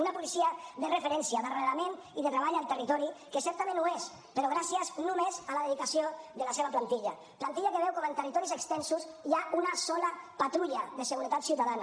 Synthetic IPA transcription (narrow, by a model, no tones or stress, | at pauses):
unapulisiəberəfeɾɛnsiaðərelameniðət̪ɾəβ̞aʎalˠt̪ərit̪ɔɾikəsɛɾt̪amẽnues | pəɾɔɣɾasiəznumezəlaðeðikəsioðəlaseβaplant̪iʎa | plant̪iʎakəβɛwkɔmənt̪ərit̪ɔɾizəkst̪ɛnsusiaunasɔləpat̪ɾuʎəðəsəɣuɾət̪at̪siwt̪aðana